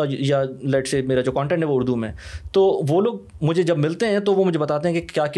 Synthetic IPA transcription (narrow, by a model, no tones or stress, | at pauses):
jalɛʈseːmeːɾad͡ʒoːkɔ̃ːɳʈɛ̃ɳʈɦɛʋoʊɾd̪umḛ̃t̪oːʋoːloːɡ̚ | mʊd͡ʒʱed͡ʒɐbmɪlt̪eɦɛ̃t̪oʋomʊd͡ʒʱebɐt̪aːt̪eɦɛ̃kekjaːk